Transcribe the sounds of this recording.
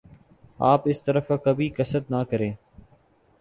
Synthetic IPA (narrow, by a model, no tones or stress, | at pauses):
aːpɪst̪əɾəfaːkəbʱiːkəsəd̪naːkəɾẽː